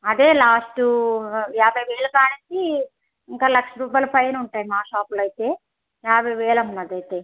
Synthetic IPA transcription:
ɐd̪e̞ːlaːsʈujaːbʱɐjʋɛːɭɐkaːnit͡ʃi | iŋkaːlɐkʂɐɾuːp̬aːjlɐpɐjɐnuɳʈaːjimaːʃaːpulɐjt̪e̞ː | jaːbʱɐjʋɛːɭɐmunːɐd̪ɐjt̪e̞ː

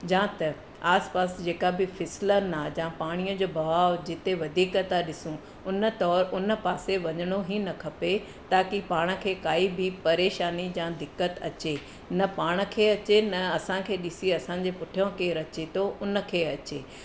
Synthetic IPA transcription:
d͡ʑãːt̪ɐ | aːspaːsd͡ʑeːkabɪfʰɪslənaːd͡ʑãːpaːɽ̃ijə̃d͡ʑoːbɐʋaːʋd͡ʑɪt̪eʋɐd̪ʱiːkət̪aɗɪsũ | ʊnə̆t̪ɔːɾʊnə̆paːseʋɐɲəɽ̃oɦinɐkʰɐpe | t̪aːkipaːɽ̃ə̆kʰeːkaːibʱɪpɐɾeːʃaːnid͡ʑãd̪ɪkːət̪ɐ̰t͡ɕe | nɐpaːɽ̃ə̆kʰeːɐt͡ɕenɐɐsãkʰeːɗɪsiɐsãːɲ̆d͡ʑepʊʈʰijõkeɾɐt͡ɕit̪ʰoʔʊnə̆kʰeːɐt͡ɕeː

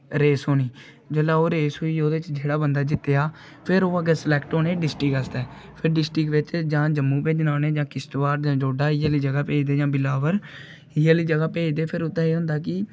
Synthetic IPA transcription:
ɾeːsɦoːniː | d͡ʒəlaːoːɾeːsɦoːiːoːd̪eːɪt͡ʃd͡ʒeːɽaːbənd̪aːd͡ʒɪt̪ːejaː | pʰɪɾoːəɡeːsəlɛːkʈoːneːɖɪsʈɪkəsd̪ɛː | pʰɪɾɖɪsʈɾɪkʋɪt͡ʃd͡ʒãːd͡ʒəmːũːpẽːd͡ʒnaːneːd͡ʒãːkɪsʈʋaːɾd͡ʒãːd͡ʒoːɖaːɪjaːliːd͡ʒəɡaːpeːd͡ʒd̪eːd͡ʒãːbɪlaːʋəɾ | ɪjaːliːd͡ʒəɡaːpeːd͡ʒd̪eːpʰɪɾʊt̪ːãːeːɦʊ̃nd̪aːk̬ɪ

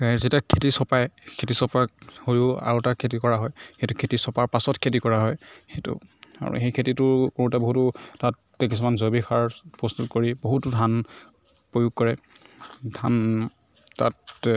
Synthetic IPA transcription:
kazitiakʰetisɔpajkʰetisɔpakhojʊa̰ɹʊtakʰet̬ikɔɹaɦɔjxejtʊkʰetisɔpaɹpasɔtkʰetikɔɹaɦɔjxejtʊ̰a̰ɹṵxejkʰetitʊɹkuutabɔɦutʊtatːɛkis̬ɔmanzobikʰaɹpɹɔstutkoɹiboɦutʊdʱan | pɹojuɡ̚kɔɹɛ | dʱan | tːa̰t

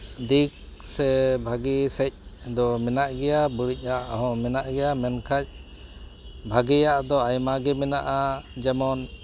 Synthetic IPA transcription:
d̪ik̚sɛbʱaɡisɛc̚ˀd̪ɔmɛnaʔɡɛjabuɾic̚ˀaʔɦɔ̃mɛnaʔɡɛjamɛnkʰac̚ | bʱaɡɛjaʔd̪ɔajmaɡɛmɛnaʔad͡ʒɛmɔn

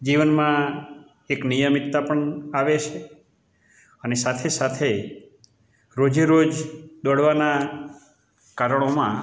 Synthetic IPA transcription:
d͡ʒiʋənmã | eknijəmit̪ːapəɳaʋet͡ʃʰe | ənesat̪ʰesat̪ʰe | ɾod͡ʒiɾod͡ʒd̪ɔɽʋana | kaɾəɳ̃omã

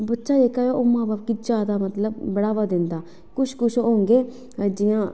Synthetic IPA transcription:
bətːʃaːeːkaːjoːʔoːmãːbaːpkid͡ʒaːd̪aːmət̪ləbːəɽaːʋaːd̪ɪ̃nd̪aː | kʊʃkʊʃooːŋɡeː | d͡ʒɪjãː

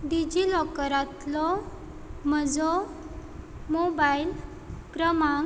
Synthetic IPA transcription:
ɖid͡ʑilɔkəɾat̪lɔ | məd͡zɔ | mobail | kɾəmaŋ

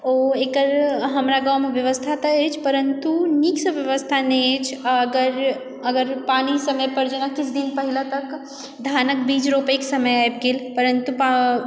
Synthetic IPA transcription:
oekəɾɦəmɾaɡawmebjəʋəst̪ʰat̪əet͡ʃʰpəɾənt̪uniksəbjəʋəst̪ʰaneet͡ʃʰːɡəɾ | əɡəɾpanisəməjpəɾd͡ʒenakit͡ʃʰd̪inpəɦilat̪ək | d̪ʱanək̚bid͡ʒɾopeksəməjaeb̚ɡelpəɾənt̪upa

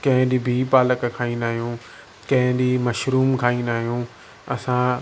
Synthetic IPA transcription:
kɐ̃ɦɪ̃d̪iːbʱiːpaːləkkʰaːĩːnd̪aːɦijũː | kɐ̃ɦɪ̃d̪iːmɐʃɾuːmkʰaːĩːnd̪aːɦijũ | ɐsã

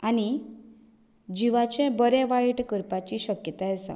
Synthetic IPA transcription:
ani | d͡ʑiʋat͡ɕɛ̃bəɾɛ̃ʋaiʈkəɾpat͡ɕiɕəkjət̪aesa̰

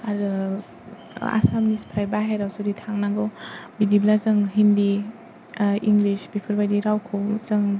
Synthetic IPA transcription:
aɾɯ | a̰samnispʰɾajbaɦajɾawsuditʰaŋnaŋɡɯwbidiblazɯŋɦindi | iŋɡlisbipʰɯɾbajdiɾawkʰɯwzɯŋ

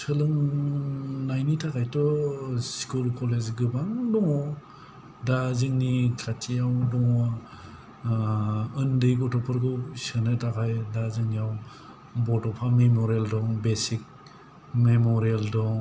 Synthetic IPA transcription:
sɯlɯŋ | najnitʰakʰajtɔskulkɔlezɡɯbaŋdɔŋɔ | dazɯŋnikʰatijawdɔŋ | ɯndɯjɡɔtɔpʰɯɾɡɯwsɯnɯtʰakʰajdazɯŋnijaw | bɔtɔpʰamemɔɾialdɔŋbesik̚ | memɔɾialdɔŋ

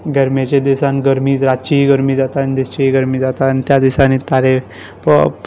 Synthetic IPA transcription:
ɡɛɾmet͡ɕed̪isanɡəɾmiːd͡zɾat̪t͡ɕiɦiɡəɾmiːd͡zat̪anid̪ist͡ɕiɦiːɡəɾmiːd͡zat̪anit̪jad̪isanit̪aɾe | pə̰

